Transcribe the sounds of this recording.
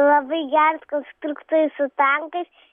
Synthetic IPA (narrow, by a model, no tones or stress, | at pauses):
lˠɐbɐɪɡʲæɾɐskonst̪ɾukt̪oːjʲusʊt̪ɐŋkɐɪs